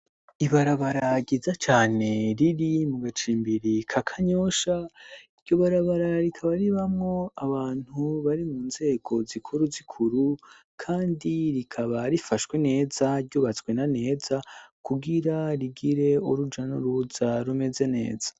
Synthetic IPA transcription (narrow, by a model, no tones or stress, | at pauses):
iβaɾaβaɾaɡizat͡ʃaːne̞ɾiɾimuɡat͡ʃiːmbiɾikʰakʰaɲoʃaiɾɟo̞βaɾaβaɾaɾikʰaβaɾiβamŋo̞aβaːn̥huβaɾimuːnze̞ːɡ̥o̞zikʰuɾuzikʰuɾu | kʰaːndiɾikʰaβaɾifaʃwe̞ne̞ːzaɾɟuːβat͡swe̞nane̞ːzakuɡiɾaɾiɡiɾe̞oɾud͡ʒanuɾuzaɾume̞ze̞ne̞̰ːz̥ḁ